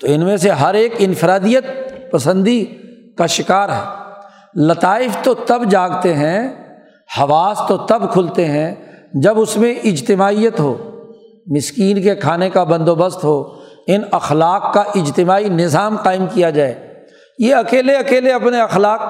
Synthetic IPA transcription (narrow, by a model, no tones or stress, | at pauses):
t̪oɪnmẽseɦɐɾeːkɪnfɪɾaːd̪ijət̪̚pɐsə̃nd̪i | kaʃɪkaːɾɦɛ̰ː | lɐt̪aːɪft̪ot̪ɐbd͡ʒaːɡt̪eɦɛ̃ | hɐʋaːst̪ot̪ɐbkʰʊlt̪eɦɛ̃d͡ʒɐbʊsmẽʔɪd͡ʒt̪ɪmaːijət̪ɦo̰ː | mɪskiːnkekʰaːnekabɐ̃nd̪oːbəst̪ɦoːɪnɐxlaːqːaʔɪd͡ʒt̪ɪmaːinɪzaːmqaːɪmkijad͡ʒaːeː | jeɐkeːleɐkeːleɐpneɐxlaːq